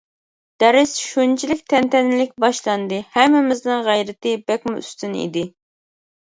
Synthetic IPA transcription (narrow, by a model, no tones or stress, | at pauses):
d̪̥ɛɾɪsʃunt͡ʃʰilɪkʲt̪ʰɛnt̪ʰɛnɪlɪk̚ʲbɑʃlˠɑnd̪ɨhɛmːɪmɪznɨŋʁæjɾɪt̪ɪbɛkʲmuy̰st̪ynḭd̪ɪ